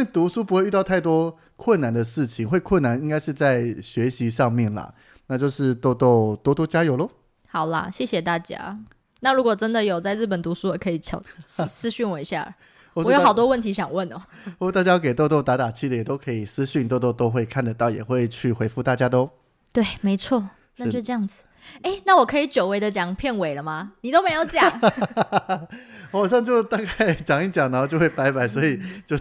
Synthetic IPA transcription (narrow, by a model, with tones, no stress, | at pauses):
e˥˧t̪u˧˥ʂu˥p̬u˧˥xwe˥ɪy˥˧t̪ɑ˥˧ʊ˥˩ɪt̪wɔ˥ | kʰwə˥˩nːa˨˩nd̪ə˨ʂɻ̩˥˩t͡ɕʰi˨˦ŋxwe˥˧ɪkʰwə˥˩nːa˧˨˦ni˥ŋka˥ɪʂɻ̩˥˧t͡sa˥˩ɪɕɥɛ˧˥ɕi˧˥ʂɑ˥˧ŋmjɛ˥˩nlə̰˩ | na˥˧t͡ɕjo˥˧ʊʂɻ̩˥˩t̪o˥˧ʊt̪o˥˩ʊt̪wɔ˥t̪wɔ˥t͡ɕja˥jo˨˩ʊlə˧˦ | hɑ˨˩ʊlɐ̰˦ɕjɛ˥˩ɕjɛ˨˩t̪a˥˩t͡ɕja̰˥ | na˥˩ɻu˧˥kwɔ˨˩ʈ͡ʂə˥nd̪ə˨jo˨˩ʊt͡sa˥˧ɪɻ̩˥˩pə˨˩nt̪u˧˥su˥ɔ˨˩kʰɤ˧˥i˨˩t͡ɕʰo˨˩˥sɹ̩˥ɕy˥˩nwe˧˥˧ɕja̰˥˩ | wɔ˨˩˨jo˥xɑ˨˩ʊt̪wɔ˥wə˥˩nt̪ʰi˧˥ɕjɑ˨˩ŋwə˥˩nɔ˨˦wɔ˥˧˨t̪a˥˩t͡ɕja˥o˥˧˩ke˨˩ɪt̪o˥˧ʊt̪o˥˩ʊt̪a˧˥t̪a˨˩t͡ɕʰi˥˧d̪ə˨jɛ˨˩t̪o˥ʊkʰɤ˧˥i˨˩sɹ̩˥ɕy˥˧nt̪o˥˧ʊt̪ɔ˥˩ʊt̪o˥ʊxwe˥˧ɪkʰa˥˩nd̪ə˩t̪ɑ˥˩ʊjɛ̰˨˩xwe˥˧ɪt͡ɕʰy˥˩xwe˧˥ɪfu˥˩t̪a˥˩t͡ɕja˥t̪o˥ʊ | t̪we˥˩ɪme˧˥ɪt͡sʰwɔ˥˩ | na˥˧jo˥˧ʈ͡ʂɤ˥˧jɑ˥˩ŋd͡zɹ̩˨˩ | e˥˩ɪna˥˩wɔ˨˩kʰɤ˧˥i˨˩˦t͡ɕjo˨˩ʊwe˧˥ɪd̪ə˨˧t͡ɕjɑ˨˩ŋpʰjɛ˥˩nwe˨˩ɪlə˦ma˨˦ni˨˩t̪o˥ʊme˧˥ɪjo˧˥ʊt͡ɕjɑ˨˩˦ŋ | xɑ˨ʊɕjɑ˥˧ŋt͡ɕjo˥˧ʊt̪ɑ˥ka˥˩ɪt͡ɕjɑ˨˩ŋi˥˩t͡ɕjɑ˨˩ŋnə˧˩xa˥˧˩t͡ɕjo˥˧ʊxwe˥˩ɪpa˧˥ɪpa˨˦ɪswɔ˧˥i˨˩t͡ɕjo˥˧ʊ